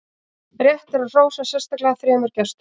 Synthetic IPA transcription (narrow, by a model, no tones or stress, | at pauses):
rjɛht̪ɛɾaðr̥oːwsasjɛnst̪aklɛɣaθɾɛːmʏɾcɛst̪